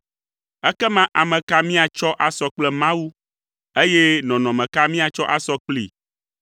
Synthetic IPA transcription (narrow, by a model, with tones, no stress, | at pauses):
ɛ˦kɛ˦mã˦ʔa˨mɛ̃˨ka˦mĩ˦a˨t͡ʃɔ˦ʔa˦sɔ˨k͡plɛ˦mã˦wu˦ | e˦jɛ˦nɔ̃˨nɔ̃˨mɛ̃˨ka˦mĩ˦a˨t͡ʃɔ˦ʔa˨sɔ˦k͡plḭ˨